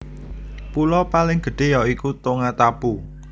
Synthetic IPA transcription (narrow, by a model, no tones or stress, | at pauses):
pulɔpalɪŋɡ̥ə̤ɖ̥e̤jɔikut̪oŋat̪ab̥u